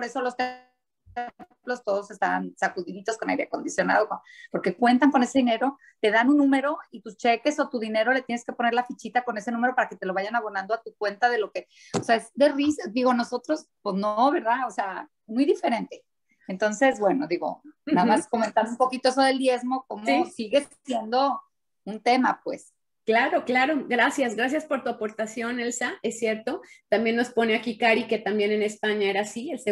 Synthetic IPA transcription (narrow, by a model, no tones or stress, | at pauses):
poɾe̞so̞lo̞st̪e | plo̞st̪o̞ð̞o̞se̞st̪a̰β̰nsakuðiðit̪o̞skona̰jɾiako̞nd̪isjona̰ð̞okopo̞ɾke̞kwe̞nt̪aŋko̞ne̞se̞ðine̞ɾo̞ | t̪e̞ðanunːũmeɾo̞it̪ust͡ʃeke̞so̞t̪uðine̞ɾo̞le̞t̪jeneske̞po̞ne̞ɾlafit͡ʃit̪ako̞ne̞se̞nũme̞ɾo̞paɾake̞t̪e̞lo̞βaʝanaβ̞o̞nãnd̪oat̪ukwe̞nt̪aðe̞lo̞ke̞ | oseaezd̪erisd̪iɣo̞no̞so̞t̪ɾospoznooβe̞ɾðaosea | mujðife̞ɾe̞nt̪e̞̥ | ent̪o̞nse̞zbwe̞no̞ðiɣo̞̰naðamasko̞mẽnt̪and̪oumpo̞kit̪o̞eso̞ðe̞ld̪je̞zmo̞ko̞mosiɣe̞s | jend̪o̞ | unt̪e̞ma̰pwḛs | klaɾoklaɾo̞ɡɾasjazɡɾas̬jaspo̞ɾt̪uapo̞ɾt̪asjonelsaesːjeɾt̪o̞t̪ambje̞nːo̞spo̞neakikaɾike̞t̪ambje̞nenespaɲaeɾasielse